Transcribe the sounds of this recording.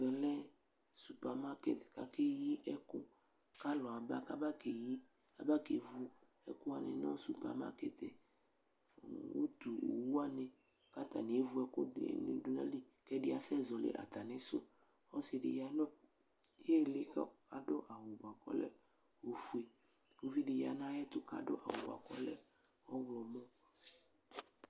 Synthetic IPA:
vɛ˨lɛ˦ | su˨pɛ˨ma˦kḛ˨t̪ka̰˦ke˦ji˦ʔɛ˦ko˦ | ka˦lɔ˨a˨ba˦ka˦ba˦ke˨ji˦ | a̰˨ba˦ke˨vu˦ | ɛ̰˦ko˦a˨nḛ̃˨nɔ̰̃˦su˨pɛ̰˨ma̰˦ke˦t̪ḛ˨ | wo̰˦d̪u˨o̰˨wu˦a˦nẽ˨ | ka˦t̪a̰˨nẽ˨e˦vu˦ɛ˦ko̰˦˨n̰˨do˨˦nã̰˦li˦ | kɛ˦ɖi˦a˨sɛ˦zɔ˨lḛ˨ʔa̰˨t̪a˨nɛ̃˦so̰˦ | ɔ˦se˨ɖḭ˨ja˦nɔ̃˦ | je˦le˦ka˦a˨ɖo˦ʔa˨wo˨ba˨kɔ̰˦lɛ̰˦ | wo˨fu˦e˨ | wo˦vi˦ɖe˨ja˨nã˦jɛ˦t̪ʊ˦ka̰˨ɖo˦ʔa̰˨wo̰˨ba̰˨kɔ˦lɛ̰˦ | ɔ˦wlɔ˨mɔ̃˦

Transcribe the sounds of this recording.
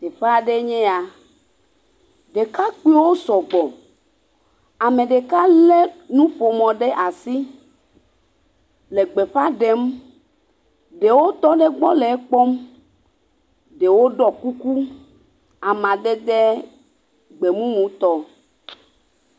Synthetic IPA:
t̪e˨ɸa˦˨ɖe˦ɲɛ̃˦a˨ | ɖe˨ka˦k͡pi˦o˦wo˦sɔ˨ɡ͡bɔ˨ | a˨mẽ˨ɖe˨ka˦le˦nũ˦ɸo˨mɔ̃˨ɖe˦ʔa˨si˦ | le˨ɡ͡be˨ɸa˦ɖe˨˦m | ɖe˨wo˦t̪ɔ˦ɖe˦ɡ͡bɔ˦le˨˦k͡pɔ˦m | ɖe˨wo˦ɖɔ˦ku˦ku˦ | a˨mã˨ɖe˦d̪e˦ | ɡ͡be˨mũ˦mũ˨t̪ɔ˦

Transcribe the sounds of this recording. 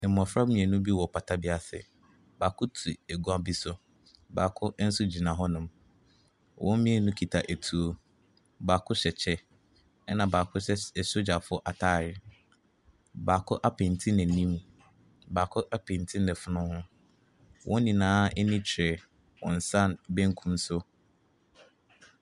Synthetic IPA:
ɛ˨m˨ɔ̃˨fɾa˦bnĩ˨ɛ˨nʊ̃˦bi˦wɔ˨pʰa˨tʰa˦bi˦a˨sɪ̰˨ | baː˨kʰʊ˦tʰu˨æ˨ɡu˦a˦bi˦sʊ˦ | baː˨kʰʊ˦n̩˦sʊ˦d͡ʑi˨nã˨ɦɔ˦nʊ̃˨m | wʔɔ̃˦m˦mĩ˦ɛ˨nʊ̃˦kʰi˨tʰa˨ʔæ˨tʰu˨˦o˦ | baː˨kʰʊ˦ɕɛ˨t͡ɕʰɛ˦ | ɛ˦nã˨baː˨kʰʊ˦ɕɛ˦ɛ˨ɕʊ˦d͡ʑa˨fʊ˦ɔ˦ʔa˨tʰaː˦˨ɾɪ˨ | baː˨kʰʊ˦ʔa˦pʰɛ̃˨ntʰi˦nɛ̃˨nĩ˦m | baː˨kʰʊ˦ʔa˦pʰẽ˨ntʰi˦nɛ̃˨fʊ˨nʊ̃˦hʊ̃˦ | wʔɔ̰̃˦nĩ˨nãː˦ɛ˦nĩ˦t͡ɕʰɪ˨ɾɛ˨ | wɔ̰̃˨n̩˨sã˦nbɛ̃˦ŋ˦kʰũ˦msʊ˦

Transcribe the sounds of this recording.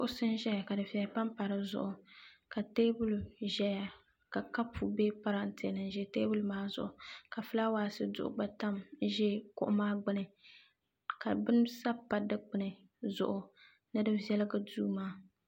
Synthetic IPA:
kʊ˦ʔʊ˦sɨ˦nʒɛ˦ja˨ka˨dɨ˨fi˨a˨pa˦mpa˨ɾɨ˨zʊ̰˨ʔʊ˨ka˨teː˦bu˦lu˨ʒɛ˦ja˨ | ka˨ka˦pʰu˨beː˦pa˦ɾa˨n̩˨tɪ˨nɨ˨nʒɛ˦teː˦bu˦lu˦maː˦zʊ̰˨ʔʊ˨ka˨fɨ˦la˦waː˨sɨ˦dʊ̰˨ʔʊ̰˨ɡ͡ba˦ta˦m˦ʒɛ˦kʊ̰˦ʔʊ˦maː˦ɡ͡bɨ˦nɨ˨ | ka˨bɨ˦n˦sa˦pːa˨dɨ˦k͡pɨ˦nɨ˨ | zʊ̰˨ʔʊ˨ | nɨ˦dɨ˦vjɛ˦lɨ˦ɡa˦duː˦maː˦

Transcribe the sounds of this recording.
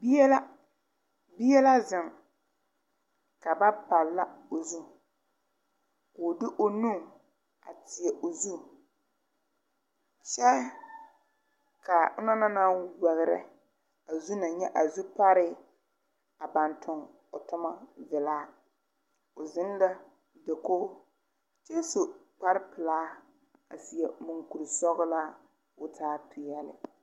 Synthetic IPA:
bi˦ɛ˦la˦ | bi˦jɛ˦la˦zɪ˨ŋ | ka˨ba˦pa˨lːa˦o˨zu˦ | kʊ˨dɪ˦ʔo˦nu˦ŋ | a̰˨tɪ˨ɛ˨ʔo˨zu˦ | t͡ʃɛ˦ | ka˨ʊ˦na˦na˦na˦wɛ˨ɣɪ˨ɾɛ̰˨ | a˨zu˦na˨ɲɛ˦ʔa˨zu˦pa˦ɾɪ˦ | a˨ba˨ntʰʊ˨ŋ | ʊ˨tʊ˦ma˦vɪ˨laː˦ | ʊ˨zɪ˦n˦da˦ | dɛ˨koː˦ | t͡ʃe˦so˨ | k͡pa˦ɾɪ˦pɪ˨laː˦ | a̰˨si˨ɛ˨mu˨ŋku˨ɾi˨sɔ˦ɣʊ˦la˦ | ʊ˦tʰaː˦pʰɪ˨jɛ˦lɪ̰˨

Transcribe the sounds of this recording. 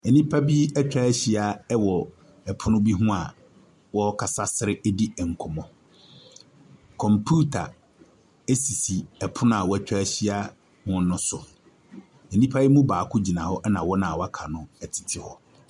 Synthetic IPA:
ɛ˨nĩ˦pʰa˦bi˦ɛ˦t͡ɕᶣa˦ɕi˦a˨ɛ˦wɔ˨ | ɛ˨pʰʊ˦nʊ̃˦bi˦ɦũ˦a˨ | wɔ˦kʰa˨sa˦sɪ˦ɾɪ˦ɛ˦di˦ɛ˨ŋ̩˨kʰʊ˨mɔ̃˨ | kʰɔ̃˨mpʰu˦tʰa˨ | e˦si˨si˨ɛ˨pʰʊ˦nʊ̃˦a˨wɔ˦ɛ˦˨t͡ɕᶣɾa˦ɕi˦a˦ | mʊ̃˦n˦nʊ̃˦sʊ˨ | ɛ˨nĩ˦pʰa˦bi˦mũ˦baː˨kʰʊ˦d͡ʑi˨nã˨hɔ˦ʔɛ˦nã˨wɔ˦nã˨wɔ˦a˦kʰa˨nʊ̃˦ɛ˨tʰɪ̥˨tʰɪ˨hɔ˦

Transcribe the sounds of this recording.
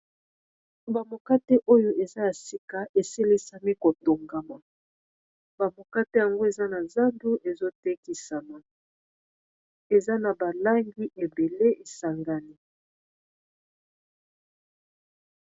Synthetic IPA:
ba˨mo˨ka˦te˦ʔo˦jo˦ʔe˨za˦ja˨si˦ka˦ʔe˨se˦le˦sa˨mi˦ko˨to˨ŋɡa˨ma˨ | ba˨mo˨ka˦te˦ja˨ŋɡo˦e˨za˦na˨za˦ndu˦ʔe˨zo˦te˦ki˨sa˨ma˨ | e˨za˦na˨ba˨la˦ŋɡi˦ʔe˨be˨le˦e˨sa˨ŋɡa˦ni˦

